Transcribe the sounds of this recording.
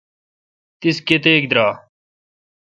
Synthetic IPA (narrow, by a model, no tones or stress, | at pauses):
t̪ɪsket̪eːk̚d̪ɾaː